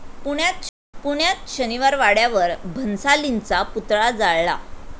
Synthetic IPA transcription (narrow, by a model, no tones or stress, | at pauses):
puɳjat̪ | puɳjat̪ɕəniʋaɾʋaɽjaʋəɾbʱənsalint͡saput̪ɭad͡zaɭla̰